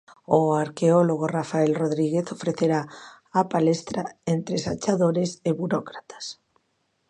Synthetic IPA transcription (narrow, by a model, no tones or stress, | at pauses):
oaɾkeoloɣorafaelroðɾiɣ̞eθofɾeθeɾaː | palest̪ɾaent̪ɾesat͡ʃaðoɾeseβuɾokɾat̪ḁs